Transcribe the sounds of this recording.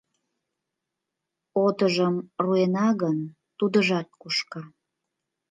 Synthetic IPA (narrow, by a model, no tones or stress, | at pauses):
ot̪əʒəmruenɑɣən | t̪ud̪əʒɑt̪̚kuʃkɑ